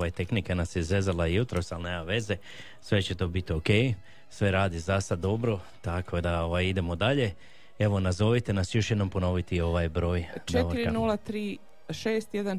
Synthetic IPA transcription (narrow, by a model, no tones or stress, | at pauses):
ʋajet̪e̞knikenasjeizʋe̞zalaijut̪ɾo̞salneːmaʋe̞ze̞ | sʋe̞t͡ɕe̞t̪o̞ːbit̪ioke̞j | sʋe̞ɾaːd̪izasad̪ːo̞bɾo̞ | t̪akʰo̞d̪ao̞ʋajid̪e̞mo̞d̪aʎe̞ | e̞ʋo̞nazo̞ʋit̪e̞nasjo̞ʃjed̪no̞mpo̞no̞ʋit̪iio̞ʋajbɾo̞ːjt͡ʃeoiɾinulˠat̪ɾiː | ʃeːst̪jed̪an